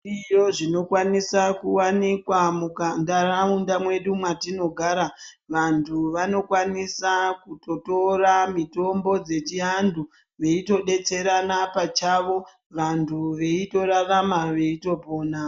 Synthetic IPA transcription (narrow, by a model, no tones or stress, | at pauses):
ijo̞ʐino̞kwanisakuwanikwamukandaraundamwe̞ɗumwatino̞ɡʱaːɾa | ʋantʰuʋano̞kwanisakuto̞to̞ramito̞mbo̞d͡ze̞t͡ʃiɦandʱu | ʋe̞ito̞ɗe̞t͡se̞ɾanapat͡ʃaʋo̞ | ʋantʰuʋe̞ito̞ɾaramaʋe̞ito̞po̞ːna